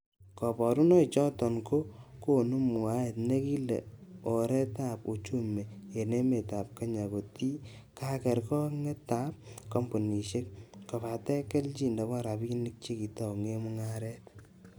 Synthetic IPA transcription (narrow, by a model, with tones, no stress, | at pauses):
kɔ˨pɔ˨ɾu˦nɔ˦it͡ʃɔ˦tɔ˨nko˦ko˦nu˦mu˨a˦e˨tne˦ki˦lḛ˨o˨ɾɛ˦ta˦po˨t͡ʃu˦me˨je˨ne˦me˨ta˨p̚ka˦ɲa˨ko˨ti˦ | ka˦kɛ˨ɾkɔ˦ŋɛ˦ta˦p̚kɔ˦mpo˨ni˨ʃe˦k̚kɔ˨pa˨tɛ˦kɛ˦lt͡ʃi˦nda˨ka˦ɾa˨pi˦nɪ˦k̚t͡ʃe˦ki˨tɔ˨ŋe˦mu˦ŋa˦ɾɛ˦t